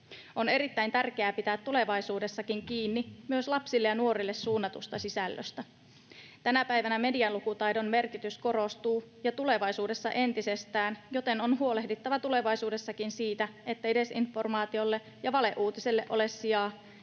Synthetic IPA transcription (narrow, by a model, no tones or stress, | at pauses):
o̞ne̞ɾit̪ːæjnt̪ærk̟e̞æːpit̪æːt̪ːule̞ʋɑjsuːde̞sːɑkiŋkiːnːimyøslɑpsilːejɑnuo̞ɾilːe̞sːuːnːɑt̪ust̪ɑsisælːø̰st̪æ | t̪ænæpæjʋænæme̞diɑlukut̪ɑjdo̞nme̞rkit̪ysko̞ɾo̞st̪uːjɑt̪ule̞ʋɑjsuːde̞sːɑ̰ʔe̞nt̪ise̞st̪æːnjo̞t̪e̞nonɦuo̞le̞hdit̪ːɑʋɑt̪ule̞ʋɑjsuːdesːɑkinsiːt̪æet̪ːæede̞sinfo̞rmɑːt̪io̞lːe̞ | jɑʋɑle̞ʔuːt̪iselːeʔo̞̰lesːiɑː